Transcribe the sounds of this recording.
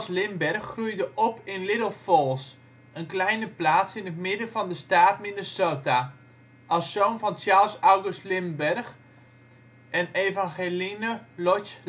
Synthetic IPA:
slɪmbɛrχːrujdəʔɔpɪnlɪdəlˠfɔlˠs | ənklɛjnəplaːtsɪnətmɪdəvɑndəstaːtminəsoːta | ʔɑsːownvɑnt͡ʃaːlˠsawɡʉstlɪmbɛrχ | ɛneːvaŋχelinəlɔt͡ʃ

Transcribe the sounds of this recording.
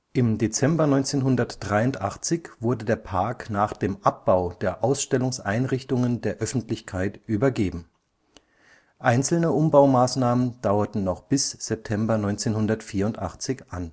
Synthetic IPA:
ʔɪmdeːt͡sɛmbɐnɔʏnt͡seːnɦʊndɐtd̥ʁaɪʊntʔaχt͡sɪçv̥ʊɐdədeːɐpʰaɐknaːχd̥eːmʔap̚b̥aʊd̥eːɐʔaʊsʃtɛlʊŋsʔaɪnʁɪçtʊŋəndeːɐʔœfn̩tlɪçkʰaɪtʔyːbɐɡeːbm̩ | ʔaɪnt͡sl̩nəʔʊmbaʊmaːsnaːmənd̥aʊɐtn̩nɔχb̥ɪsz̥ɛp̚tʰɛmbɐnɔʏnt͡seːnhʊndɐtfiːɐʊntʔa̰χt͡sɪçʔa̰n

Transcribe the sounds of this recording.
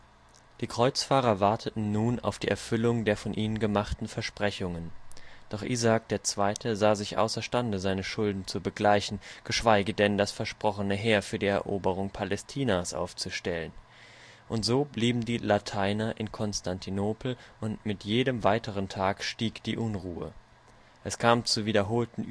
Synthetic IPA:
d̥iːkʁ̥ɔʏt͡sfaːʁɐvaɐtʰətn̩nuːna̰ʊfd̥iːʔɛɐfʏlʊŋdeːɐfɔnʔiːnənɡəmaχtn̩fɛɐʃpʁ̥ɛçʊŋənd̥ɔχʔiːzaːk̚d̥eːɐt͡sv̥aɪtʰəzaːzɪçʔa̰ʊsɐʃtandəzaɪnəʃʊldn̩t͡subəɡlaɪçn̩ɡ̥əʃv̥aɪɡədɛndasfɛɐʃpʁ̥ɔχənəɦeːɐfyːɐdiːɛ̰ɐʔoːbəʁ̞ʊŋpʰalɛstʰiːnasʔa̰ʊft͡suʃtɛlən | ʔʊntz̥oːbliːbm̩diːlatʰaɪnɐʔɪnkʰɔnstʰantʰinoːpl̩ʔʊntmɪtjeːdəmvaɪtʰəʁ̞əntʰaːkʃtiːkd̥iːʔʊnʁuːə̰ | ʔɛskʰaːmt͡suviːdɐɦoːltn̩

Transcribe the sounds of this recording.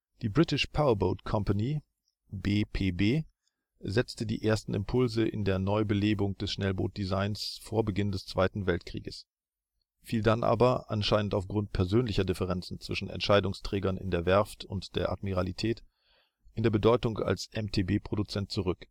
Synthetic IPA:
d̥iːbʁɪtɪʃpʰaʊɐboʊtkʰɔmpani | beːpʰeːbeː | zɛt͡stədḭːʔeːɐstn̩ɪ̰mpʰʊlzəʔɪ̰ndeːɐnɔʏbəleːbʊŋd̥ɛsʃnɛlbo̰ːt̚d̥izaɪnsfoːɐbəɡɪndɛst͡sv̥aɪtn̩vɛltkʁ̥ḭːɡəs | fiːldanʔa̰ːbɐʔa̰nʃaɪnəntaʊfɡ̥ʁʊnt̚pʰɛɐzøːnlɪçɐdɪfəʁɛnt͡sn̩t͡sv̥ɪʃn̩ʔɛ̰ntʃaɪdʊŋstʁ̥ɛːɡɐnɪ̰ndeːɐvɛɐftʊntd̥eːɐʔa̰dmiʁalitʰɛːt | ʔɪndeːɐbədɔʏtʊŋa̰lsʔɛmtʰeːbeːpʁ̥odut͡sɛnt̚t͡suʁʏk

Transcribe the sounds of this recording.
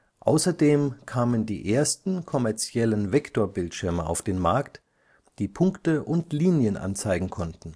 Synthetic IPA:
ʔa̰ʊsɐdeːmkʰaːməndḭːʔeːɐstn̩kʰɔmɛɐt͡sjɛlənvɛktoːɐbɪltʃɪɐməa̰ʊfd̥eːnmaɐkt | d̥iːpʰʊŋktəʔʊntliːnjənʔa̰nt͡saɪɡŋ̩kʰɔntn̩

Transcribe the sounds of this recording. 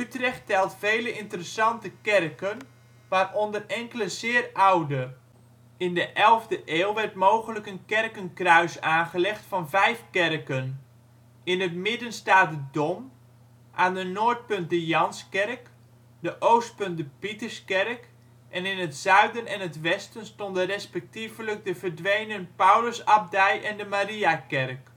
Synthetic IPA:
ytrɛxtɛlˠtfejləɪntərəsɑntəkɛrkən | ʋaːrondərɛŋkələzɪːrawdə | ɪndəʔɛlˠvdəʔeːlˠʋɛrtmoːɣənləkənkɛrkənkrœɥsaːnχəlɛxtfɑnvɛjfkɛrkən | ɪnətmɪdənstaːt̚dədom | ʔaːndənoːɹt̚pɵnt̚dəjɑnskɛrk | dəʔoːwst̚pɵnt̚dəpitəɹskɛrk | ʔɛnɪnətsœɥdənɛnətʋɛstənstɔndərɛspɛk̚tivələk̚dəvərdʋejnənpawləsɑb̚dɛjʔɛndəmaɾiakɛrk

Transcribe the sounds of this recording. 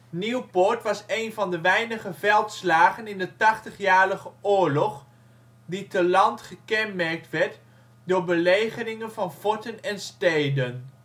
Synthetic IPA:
niwpɔɹtʋɑsejnvɑndəʋɛjnəχəvɛlˠtslaːχənɪndətɑχtəχjaːɹrəχəʊːɹlɔχ | ditəlɑntχəkɛnmɛɹk̚tʋɛɹt | dʊːɹbəlejχənɪŋənvɑnfɔɹtənɛnstejdən

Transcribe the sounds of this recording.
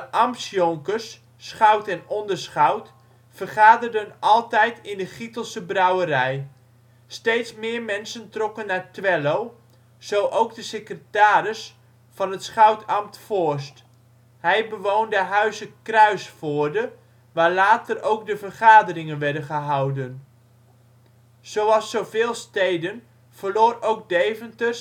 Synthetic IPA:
dəʔɑmsjɔŋkəs | sχœwtɛnɔndəɹsχɑwt | fərχaːdərdənɑlˠtɛjtɪndəχitəlˠsəbrɑwəɾɛj | stejtsmɪːɹmɛnsəntrɔkənːaɹtʋɛlow | z̥owʔowɡdəsekrətaːrɪs | fɑnɦətsχœwtɑmtfʊɹst | hɛjbəʋowndəɦœɥzəkrœɥsfʊːɹdə | ʋaːɹlaːtərowkdəvərχaːdərɪŋənʋɛɹdənχəɦɑwdən | z̥owɑlˠsowvɪːlˠstejdən | v̥ərloːrowɡ̚dejvəntərs

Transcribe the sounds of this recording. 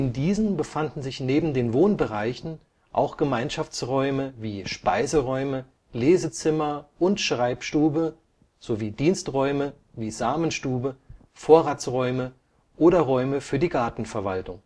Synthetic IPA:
ʔɪndiːzn̩bəfandn̩zɪçneːbm̩deːnvoːnbəʁaɪçn̩ | ʔa̰ʊxɡ̥əmaɪnʃaft͡sʁɔʏməviːʃpaɪzəʁɔʏmə | leːzət͡sɪmɐʔʊntʃʁ̥aɪpʃtuːbə | z̥oviːdiːnstʁɔʏmə | viːzaːmənʃtuːbə | foːɐʁaːt͡sʁɔʏmə | ʔoːɾɐʁɔʏməfyːɐdiːɡaɐtn̩fɛɐvaltʊŋ

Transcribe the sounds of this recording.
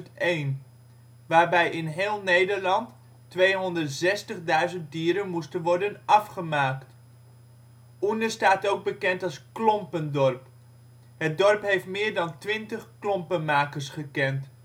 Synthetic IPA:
ejn | ʋaːɹbɛjɪnɦɪːlˠnejdəɹlɑnt | ʋejɦɔndərtz̥ɛstəχdœɥzənt̚diːɾənmustənʋɔɹdənɑfχəmaːkt | undəstaːtowɡ̚bəkɛntɑlˠsklɔmpəndɔrp | ɦət̚dɔɹpɦejftmɪːɹdɑntʋɪntəχklɔmpənmaːkəɹsχəkɛnt

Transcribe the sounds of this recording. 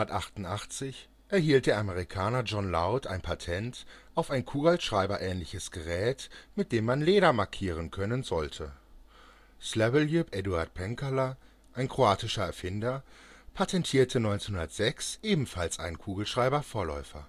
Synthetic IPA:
ɐtʔaχtʊn̩tʔaχt͡sɪç | ʔɛɐɦiːlt̚d̥eːɐʔaməʁ̞ikʰaːnɐd͡ʒɔnlaʊta̰ɪnpʰatʰɛntʔaʊfaɪnkʰuːɡalʃʁ̥aɪbɐʔɛːnlɪçəsɡ̥əʁɛːtmɪt̚d̥eːmːanleːɾɐmaɐkʰiːʁ̞ənkʰœnənzɔltʰə | slɛvəljupʔɛduaɐt̚pʰɛŋkalɐ | ʔaɪnkʁ̥oaːtɪʃɐɛɐfɪndɐpʰatʰɛntʰiːɐtʰənɔʏnt͡senhundɐtz̥ɛksʔeːbm̩falsʔa̰ɪnənkʰuːɡl̩ʃʁ̥aɪbɐfoːɐlɔ̰ʏfɐ

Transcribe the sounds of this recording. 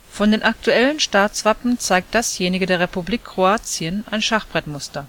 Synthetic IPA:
fɔndeːnʔak̚tuɛlənʃtaːt͡sv̥apm̩t͡saɪk̚t̚d̥asjeːnɪɡədeːɐʁepubliːkʰːʁ̥oaːt͡sjənʔaɪnʃaχb̥ʁɛtmʊstɐ

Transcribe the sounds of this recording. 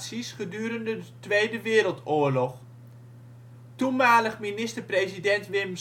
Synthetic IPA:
sisχədyːəɾəndətʋejdəʋɪːɾəlˠtʊːəɹlɔχ | tunmaːləχminɪstəprezidɛntʋɪm

